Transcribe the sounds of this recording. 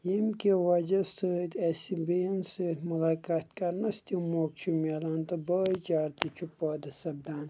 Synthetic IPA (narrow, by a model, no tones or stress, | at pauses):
jimkewɐd͡ʒɐsət̪ɐsibensəmɐlaːkaːt̪kɐɾnɐst̪imoːk̚t͡ʃʰumelaːnt̪ɐbɐːjt͡ʃaːɾt̪it͡ʃʰupaːd̪ɐsɐb̚d̪aːn